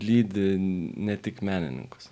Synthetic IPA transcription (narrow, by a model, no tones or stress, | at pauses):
lʲiːd̪ʲɪnʲɛt̪ʲɪkmʲæːnʲɪ̰nʲɪ̰ŋkʊ̥s